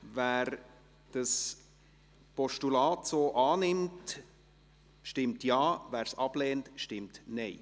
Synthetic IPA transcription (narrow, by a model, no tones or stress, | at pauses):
væːɾ | d̥əs | pɔʃtulɑːtsoːʔɑːnɪmt | ʃtɪmtjɑːvæːɾsɑb̥lɛːntʃtɪmtnɛɪ